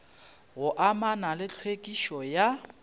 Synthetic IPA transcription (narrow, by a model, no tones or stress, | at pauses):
ɣʊʔamanalɪt͡ɬʰwekʼiʃɔja